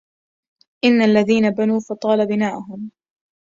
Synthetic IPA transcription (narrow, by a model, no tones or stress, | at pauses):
ʔɪnːalːaðiːnabanuːfɑt̪ˤɑːlabɪnaːʔʊɦʊm